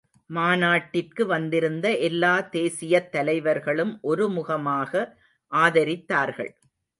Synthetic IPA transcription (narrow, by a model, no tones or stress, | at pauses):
maːnaːʈːɪrkɯʋɐnd̪ɪɾɯnd̪ɐʔɛlːaːt̪eːsɪjɐt̪ːɐlɐɪʋɐɾɣɐɭɯmʔɔɾɯmʊɣɐmaːɣɐ | ʔaːðɐɾɪt̪ːaːɾɣɐ̰ɭ